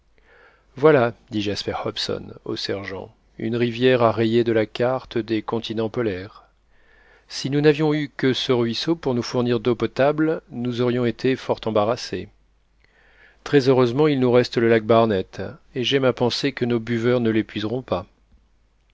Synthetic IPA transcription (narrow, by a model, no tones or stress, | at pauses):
vwalad̪iʒaspɛʁhɔpsɔ̰no̰sɛʁʒɑ̰̃ | y̰nʁivjɛʁaʁejed̪əlakaʁt̪d̪ekɔ̃t̪ʰinɑ̃pɔlɛʁ | sinunavjɔ̃ykəsəʁɥisopuʁnufuʁniʁd̪opɔt̪ablnuzɔʁjɔ̃et̪ʰefɔʁt̪ɑ̃baʁase | t̪χɛzøʁøzmɑ̃ilnuʁɛst̪ləlak̚baʁnɛt̪eʒɛmapɑ̃sekənobyvœʁnəlepɥizʁɔ̃pa